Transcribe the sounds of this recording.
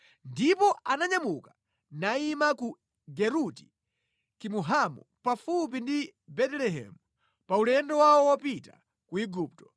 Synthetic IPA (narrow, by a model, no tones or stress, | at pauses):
ndipɔʔanaɲamuka | naimaku | ɡɛɾuti̥ | kimuɦamṵ | pafup̬indibɛtɛlɛɦɛ̰mu | paulɛndɔwaɔwapita | kuiɡuːp̚tɔ̥